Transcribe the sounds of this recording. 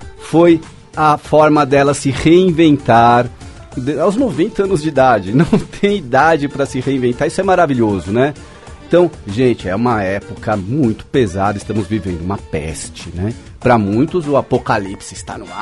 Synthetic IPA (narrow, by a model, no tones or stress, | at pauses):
foj | ɐfɔɾmɐd̪ɛlɐsɪheĩvẽnt̪aɾ | d̪awznovẽnt̪ɐɐ̃nʊzd͡ʒɪid̪ad͡ʒɪnɐ̃w̃t̪ʰẽj̃id̪ad͡ʒɪpɾɐsɪheĩvẽnt̪aɾisʊɛmaɾaviʎozʊnɛ | ẽt̪ɐ̃w̃ʒẽnt͡ʃɪɛũmɐɛpʊkɐmũj̃t̪ʊ̥pezad̪ɐɪst̪ɐ̃mʊzvivẽnd̪ʊũmɐpɛ̰st͡ʃɪnɛ | pɾɐmũj̃t̪ʊzʊapokalipsɪɪst̪a̰nʊa